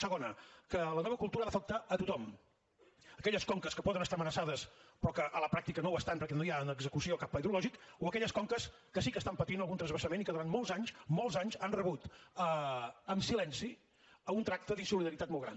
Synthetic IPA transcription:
səɣonəkələnɔβəkulˠt̪uɾəaðəfək̚t̪aʔət̪ut̪ɔm | əkɛʎəskɔŋkəskəpɔðənəst̪aəmənəsaðəspɾɔkəʔələpɾak̚t̪ikənowəst̪anpəɾkɛnojaənəɡzəkusiokapːaiðɾulɔʒikoəkɛʎəskɔŋkəs | kəsikəːst̪ampət̪inəlˠɣunt̪ɾəzβəsəmenikəðuɾanmɔlˠzaɲsmɔlˠzaɲzanrəβut̪əəmsilɛnsi | əunt̪ɾak̚t̪əðisuliðəɾit̪at̪mɔlˠɣɾa̰n

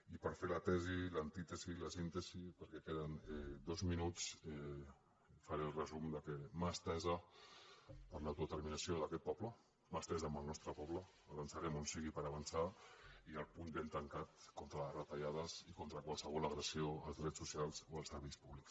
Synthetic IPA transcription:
ipəɾfeɾlət̪ɛzilənt̪it̪əziləsint̪əzipəɾkɛkeðənɛd̪ozminut͡sɛ | fəɾerəzumd̪əkemast̪ɛzə | pəɾləawt̪uðət̪əɾminəsioðəkɛt̪̚pɔβlə | məst̪ɛzəːmbəlˠnɔst̪ɾəpɔβləː | βənsaɾɛmonsiɣipəɾəβənsaiəlˠpunbent̪əŋkat̪kont̪ɾələrət̪aʎaðəzikont̪ɾəkwalˠsəβɔləɣɾəsioəlˠzðɾɛsːusialˠzoəlˠsəɾβɛjspuβliks

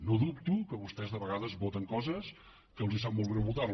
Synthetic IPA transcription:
noðupt̪ukəβust̪ɛzðəβəɣaðəzβot̪əŋkɔzəs | kəlˠzisap̚molˠβenəβut̪ar

